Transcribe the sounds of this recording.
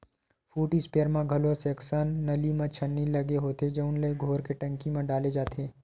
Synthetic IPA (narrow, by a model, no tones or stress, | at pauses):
fuːʈispeəɾmãɡʱɐlõseɐksənːɐlimãt͡ʃʰɐnːilɐɡeɦoːt̪ed͡ʒɐʊnləeɡʱoːɾkeʈɐ̃ŋkimẽɖaːled͡ʒaːt̪eː